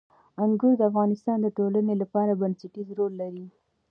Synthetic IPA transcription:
aŋɡuɾd̪əafɣɑnɪst̪ɑnd̪əʈolanelapɑɾabanseʈizɾolːaɾi

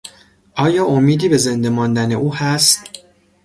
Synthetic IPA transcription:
ʔɒːjɒːʔomiːd̪iːbe̞ze̞nd̪e̞mɒːnd̪æne̞ʔuːhæst̪

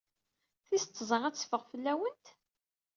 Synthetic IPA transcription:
θist̪ˤːzˤəʁæt͡sːfəʁfəlːæwənt̪

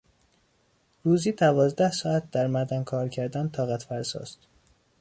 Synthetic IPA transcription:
ɾuːziːd̪ævɒːzd̪æhsɒːæt̪̚d̪æɾmæɾd̪ænkʰɒːɾcʰæɾd̪ænt̪ʰɒːɣæt̪fæɾsɒ̰ːst̪

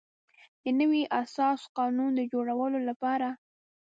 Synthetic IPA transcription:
d̪ənəwiʔasɑsqɑnund̪əd͡ʒoɽawəlolapɑɾa

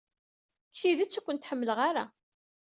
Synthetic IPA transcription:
kːiðæt͡sːækʷːənt̪ħəmːələʁaɾa

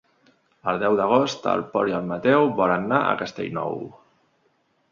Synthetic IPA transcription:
əlˠd̪ɛwd̪əɣ̞ost̪ə̰lˠpɔɾiəlmət̪ɛwβɔɾənːaʔə̰kəst̪ḛʎnɔ̰w

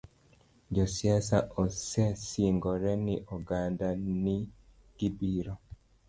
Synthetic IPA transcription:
d͡ʒɔsjɛsaʔɔsɛsiŋɡɔɾɛniʔɔɡandani | ɡ̥ibiɾɔ

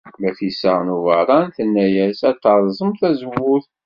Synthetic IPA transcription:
mæθjəsːəʁnuvəɾˤɑnθənːæjæsæt̪ːəɾˤzˤəmθæzəwuθ

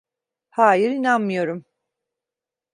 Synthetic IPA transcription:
haːjiɾinanmɯjo̞ɾum

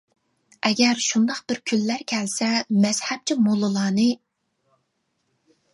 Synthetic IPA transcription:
ɛɡʲɛɾʃund̪ɑχqbɪɾkʲʰylːæɾkʲʰɛlsɛmɛz̥hɛb̚t͡ʃʰimolˠːɨlˠɑːnɨ

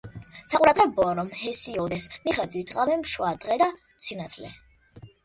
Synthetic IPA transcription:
sauɾad̪ʁɛbɔɾɔmhɛsiɔd̪ɛsmiχad̪wit̪ʼqʼavɛmʃwad̪ʁɛd̪a | sinat̪ʰlɛ̰

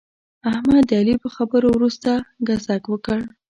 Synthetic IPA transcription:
ahmad̪ɑlipəxabəɾowɾust̪aɡazakwəkəɽ

